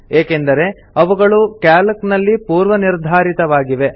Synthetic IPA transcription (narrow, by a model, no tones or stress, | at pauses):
eːkend̪ɐɾe̞ | ɐʋuɡɐɭukaːlɐknɐlːipuːɾʋɐniɾd̪ʱaːɾit̪ɐʋaːɡiʋe̞